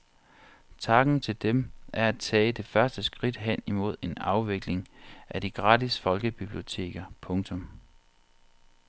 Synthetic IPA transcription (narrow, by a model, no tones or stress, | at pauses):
t͡sʰɑ̈ɡ̥n̩t͡sʰe̝ld̥emʔæɐæd̥̚t͡sʰɛ̰ːd̥e̝fɶɐsd̥əsɡ̥ʁid̥ɦen̰imo̝ð̞̰ˠe̝nɑ̈ʊʋe̝ɡ̥le̝ŋʔæd̥iɡ̥ʁɑ̈ːdisfɒ̽lɡ̥əb̥ib̥lio̝t͡sʰe̝̰ːɡ̥ɐpʰɔ̽ŋt͡sʰɔ̽m